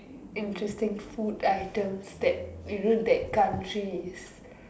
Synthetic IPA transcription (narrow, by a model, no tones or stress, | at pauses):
ĩntɹɛstĩŋfudaɪtə̃msd̪ɛt̚biɹũndɛt̚kãntɹis